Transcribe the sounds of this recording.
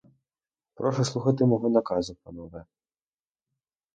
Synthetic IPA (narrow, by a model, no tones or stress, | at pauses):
pɾɔʂɐslˠuxɐt̪ɨmaɣɔnɐkazɨpɐnɔvɐ